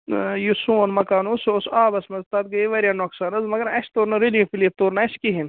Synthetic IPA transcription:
jusuːnmɐkaːnussaːbɐsmɐzt̪ɐt̪̚ɡɐiʋɐɾjanoksaːnɐzmɐɡɐɾɐʃt̪oːɾnɐɾilĩfiliːp̚t̪oːɾnɐʃkiɦin

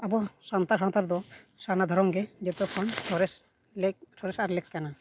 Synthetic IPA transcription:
abɔsɔnt̪asɔnt̪aɾd̪ɔ | sanad̪ʱɔɾɔŋɡɛd͡ʒɛt̪ɔkʰɔnʈʰɔɾɛs | lʈʰɔɾɛsaɾlɛkkana

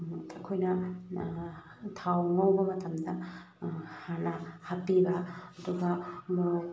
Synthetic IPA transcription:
ɐkʰojnɐ | tʰawŋɐwbɐmɐtɐmdɐ | hanɐhapibɐɐduɡɐ

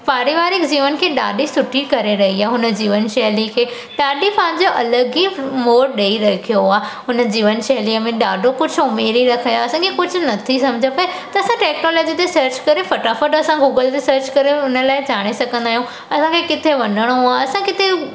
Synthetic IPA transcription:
paːɾiʋaːɾɪkd͡ʑiːʋənkʰeːɗa̰ːɖisʊʈʰikɐɾeɾɐɦiaːɦʊnə̆d͡ʑiːʋənʃɐɦlikʰeː | ɗaːɖipãɦɪ̃ɲd͡ʑoʔɐləɡimoːɾɗeːiɾɐkʰijoɦʊaːɦʊnə̆d͡ʑiːʋənʃɐɦliəmẽɗaːɖʱokʊd͡ʑʱʊʊmeːɾiɾɐkʰajaɐsãːkʰekʊd͡ʑʱʊ̆nɐt̪ʰisɐ̃md͡ʑʱəpɐet̪ɐɐsãʈeːknoːlɔːd͡ʑit̪esɐɾt͡ɕkɐɾefɐʈafəɾɖɐsãɡuːɡəlt̪esɐɾt͡ɕkɐɾeʊnə̆laːɪd͡ʑaːɽ̃esɐɡʱə̃nd̪aːɦijũ | ɐsãkʰekɪt̪ʰeʋɐnəɽ̃oɦʊaɐsãkɪt̪ʰe

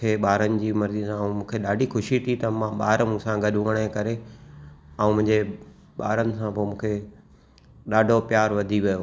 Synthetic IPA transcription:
eɓaːɾənɪ̆d͡ʑiːmɐɾzisãũmũːkʰeɗaːɖʱixʊʃit̪ʰit̪ɐmãɓaːɾmũːsãɡɐɗʊʋəɽ̃ekɐɾe | ɐ̃ũmʊ̃ɦɪ̃ɲd͡ʑe | ɓaːɾənɪ̆sãpomũːkʰe | ɗaːɖʱopjaːɾʋɐd̪ʱiʋijo

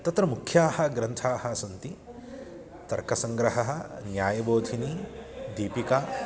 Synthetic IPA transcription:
t̪ɐt̪ɾɐmukʰjaːhɐ̆ɡɾɐnt̪ʰaːhɐsɐnt̪i | t̪ɐɾkɐsɐŋɡɾɐɦɐɦɐnjaːjɐboːd̪ʱinid̪iːpika

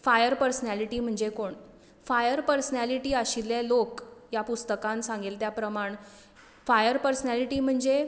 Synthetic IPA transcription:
fajəɾpəɾsnæliʈiːm̤əɳd͡ʑekoɳ | fajəɾpəɾsnæliʈiːaɕilelokjapust̪əkãnsãŋɡelt̪japɾəmaɳ | fajəɾpəɾsnæliʈiːm̤əɳd͡ʑe

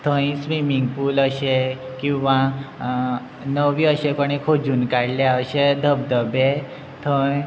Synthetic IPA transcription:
t̪ʰə̃jĩsʋimiŋɡpuːləɕe | kĩw̃ʋã | nəʋiəɕekoɽ̃ikʰod͡zuːnkaɽljaəɕed̪ʱəb̚d̪əbe | t̪ʰə̃j

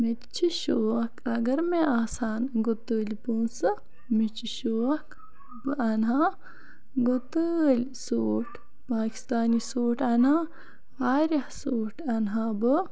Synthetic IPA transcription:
mit͡ʃʰiʃoːɐkʰɐɡɐɾmeaːsaːnɡot̪əːlpoːnsɨ | mit͡ʃʰiʃoːɐk | bɨɐnɦaː | ɡot̪əlʲsoːʈʰ | paːki̥st̪aːnisoːʈʰɐnaː | aːɾʲɐhsoːʈʰɐnɦaːbɨ

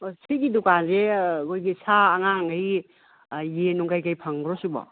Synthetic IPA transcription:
osiɡidukanzeɡojɡisaːŋaŋaj | jenuŋkajkajpʰaŋɾɔsubɔ̰

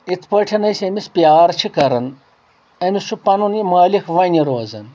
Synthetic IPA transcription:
it̪ʰpɐʈʰɐnɐjsemispjaːɾt͡ʃʰikɐɾɐn | ɐnisupɐnunimaːlixʋɐnʲiɾoːzɐn

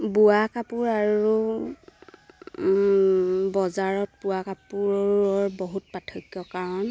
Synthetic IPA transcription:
buakapuɹaɹu | bɔzaɹɔt̚puwakapuɹɔɔɹbɔɦut̚patʰɔkjɔkaɹɔn

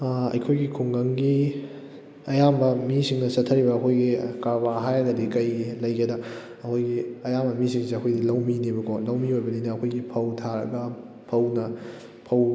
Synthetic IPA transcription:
ɐ̰jkʰojɡikʰuŋɡɐŋɡi | ɐjambɐmisiŋnɐsɐtʰːɐɾibɐːkʰojɡikabaɦajɐnɐdikɐjlɐjɡɐdɐ | ɐkʰojɡiɐjambɐmisiŋssiɐkʰojdilɐwminibɐkʰolɐwmiojbɐninɐːkʰojɡipʰɐwtʰaɾɐ̰ɡɐ | pʰɐwnɐ | pʰɐw

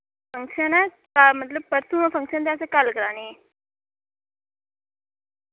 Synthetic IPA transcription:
fəŋkʂəna | kamət̪ləb̚pəɾsuməfə̃ŋkʂənt̪̬jat͡səkalkəɾane

